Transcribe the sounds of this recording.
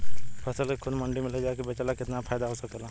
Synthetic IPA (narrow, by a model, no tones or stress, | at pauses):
pʰɐsəlkekʰʊd̪mɐ̃ɳɖimɪled͡ʒaːkebɐt͡ʃəlakɪt̪nafʰaːjd̪aɦoːsɐkːlaː